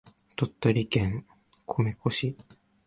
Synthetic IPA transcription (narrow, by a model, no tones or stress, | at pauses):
t̪ot̪ːoɾʲikẽŋ | kʰomekoɕi